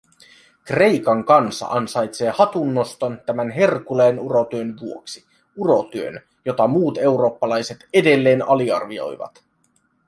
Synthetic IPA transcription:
kre̞jkɑŋkɑnsɑ̰ʔɑnsɑjt̪se̞ːhɑt̪unːo̞st̪o̞nt̪æmænɦe̞rkuleːnuɾo̞t̪yønʋuo̞ksi | uɾo̞t̪yø̰n | jo̞t̪ɑmuːt̪e̞wɾo̞ːpːɑlɑjse̞t̪e̞de̞lːe̞ːnɑliɑ̰rʋio̞̰jʋɑ̰t̪

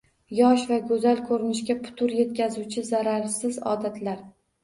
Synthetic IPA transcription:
jɒʃvaɡɵzalkʰɵɾɪnɪʃkʲapʰʊ̥t̪ʰʊɾje̞t̪̚kʲʰazuwt͡ʃʰɪzaɾaɾsɪzɒ̰d̪at̪ʰlaɾ

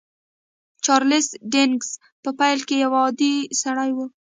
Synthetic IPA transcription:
t͡ʃɑɾlɪsɖɪŋɡs | pəpajlkejawɑd̪isaɽajwu

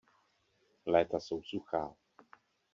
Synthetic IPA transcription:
lat̪asowsuxaw

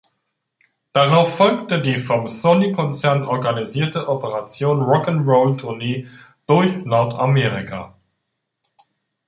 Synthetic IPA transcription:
d̥aʁaʊfːɔlktədiːfɔmsonikʰɔnt͡sɛɐnʔɔɐɡaniziːɐtəʔɔpəʁat͡sjoːnʁɔkənʁoʊltʰʊɐneː | d̥ʊɐçnɔɐtʰameːʁikʰa̰

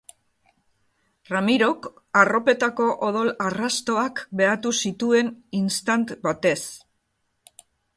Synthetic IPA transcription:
ramiɾo̞k | aro̞pe̞t̪ako̞ʔoðo̞larast̪o̞akbe̞at̪usit̪ue̞ninst̪ant̪bat̪e̞s

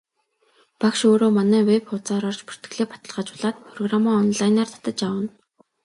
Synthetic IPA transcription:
pakʃoːɾoːmanæːwepʊt͡saːɾɔrt͡ɕpu̥r̥t̪ɡɘ̆ɮeːpḁt̪ə̆ɮʁaːt͡ɕʊɮaːt̪̚pʰrɔɣramɔːɔnɮajnaːrt̪ʰḁt̪ə̆t͡ɕawə̆n

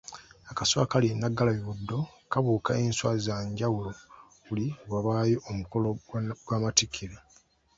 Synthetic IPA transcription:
akaswa̰kalinːaɡːalaβiβudːo̞kaβuːkaeːnswazzaːɲɟawulo̞ | βuliwaβaːjo̞ʔomuko̞loɡwaːmatikʰiɾe

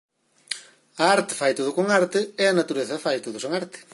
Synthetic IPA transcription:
ɐaɾt̪ɪ̥fajt̪oðʊkoŋaɾt̪ɪeɐnat̪uɾeθɐfajt̪oðʊseŋaɾt̪ɪ̥

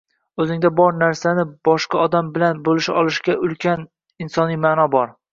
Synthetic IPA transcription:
ɵzɪŋd̪abɒɾnaɾsanɪbɒʃqɑɒd̪ambɪlanbolɪʃɒlˠɪʃɡʲaʔʊlkʲʰan | ɪnsɒnijmaːnɒbɒɾ

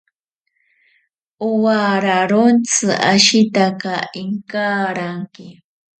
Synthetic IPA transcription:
ʊwaɾaɾont͡sɨʔa̰ʃɪt̪akaɪŋkaːɾaŋkɪ

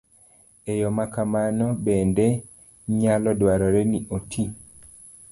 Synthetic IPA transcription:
ejɔmakamanɔbɛnde | ɲalɔdwaɾɔɾeniʔotʰi

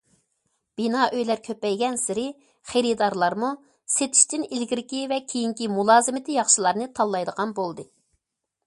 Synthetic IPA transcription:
b̥inɑʔøjlæɾkʲʰøpːɛjɡʲɛnsɪɾɪ | χeɾɪd̪ɑɾlˠɑɾmu | set̪ʰi̥ʃt̪ɪnilɡʲiɾkʲivɛkʲʰejiŋkʲimulˠɑːzɨmɪt̪ʰɪjɑχʃɨlˠɑɾnɨt̪ʰɑlˠːɑjd̪əʁɑnbolˠd̪ɨ

